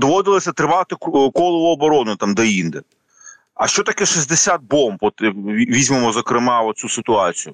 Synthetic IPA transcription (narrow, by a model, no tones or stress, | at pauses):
d̪ɔʋɔd̪ɪlˠɔsʲɐt̪ɾɪʋɑt̪ɪkkɔlˠɔʋʊɔbɔɾɔnʊt̪ɑmd̪ɐind̪ɛ | ɐ̰ʃt͡ʃɔt̪ɐkɛʃizʲd̪esʲat̪̚bɔmpɔt̪iʋʲizʲmemɔzɔkɾɪmɑɔt̪̚sʲusɪt̪ʊɑt͡sʲijʊ